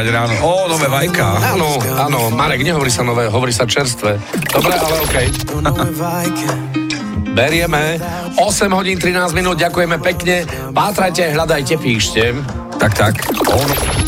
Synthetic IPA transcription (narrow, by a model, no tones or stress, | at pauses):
ɲɛɾaːnɔɔnɔʋɛːʋajka̰aːnɔaːnɔmaɾɛɡɲɛɦɔʋɔɾiːsanɔʋɛːɦɔʋɔɾiːsaft͡ʃɛɾs̬t̪ʋɛ | d̪̥ɔbɾɛʔalɛɔːkɛj | jk | bɛɾɪɛmɛ | ɔsɛmɦɔɟiːnt̪ɾinaːzminuːd̪̚ɟakujɛmɛpɛkɲɛ | paːt̪ɾajcɛajɦʎad̪ajcɛpiːʃcɛ | t̪akt̪akɔ